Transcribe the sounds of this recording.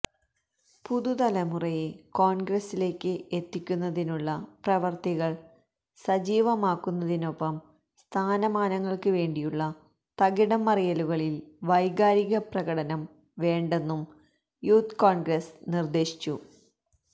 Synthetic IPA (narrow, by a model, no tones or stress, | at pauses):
puðuðɐlɐmurɐjeko̞ːɳɡrɐsile̞ːkʲːɨet̪ːikʲːunːɐðinuɭːɐprɐʋɐrt̪iɣɐɭ | sɐd͡ʑiːʋɐmaːkːunːɐðino̞pːɐm | st̪ʰaːnɐmaːnɐŋːɐɭkɨʋe̞ːɳɖijuɭːɐ | t̪ɐɣiɽɐmɐrijɐluɣɐɭilʋɐjɡaːɾiɣɐprɐɣɐɽɐnɐm | ʋe̞ːɳɖe̞nːum | juːt̪koːɳɡresnird̪e̞ːɕi̥t͡ɕːu